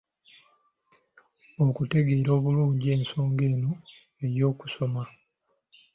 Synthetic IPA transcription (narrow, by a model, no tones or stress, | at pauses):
okute̞ɡe̞ːɾoːβuluːɲɟie̞ːnso̞ːŋɡe̞ːno̞ | e̞ɾjo̞ːku̥so̞ma